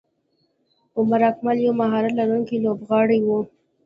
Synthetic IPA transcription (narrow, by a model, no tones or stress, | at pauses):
omaɾɑkmaljawmaɦɑɾalaɾuŋkilobɣɑɽiwu